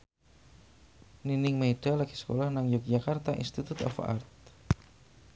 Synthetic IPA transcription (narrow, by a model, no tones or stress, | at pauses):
ninɪŋmeɖ̥alaɡ̥i̥sə̥kolahnaŋjuk̚d͡ʒakart̪aʔḭnst̪it̪ut̪ɔ̰fa̰rt̪̚